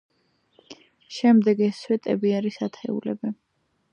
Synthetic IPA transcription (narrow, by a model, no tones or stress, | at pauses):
ʃɛmd̪ɛɡɛswɛt̪ʼɛbiaɾisat̪ʰɛ̰ṵlɛ̰bɛ